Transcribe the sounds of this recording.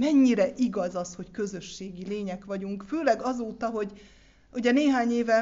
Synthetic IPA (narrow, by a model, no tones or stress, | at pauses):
mɛɲːiɾɛʔiɡɒzɒsho̞ckø̞zø̞ʃːeːɡileːɲɛkʋɒɟuŋkføːlɛɡɒzoːt̪ɒɦo̞ɟ | uɟɛneːɦaːɲeːvɛ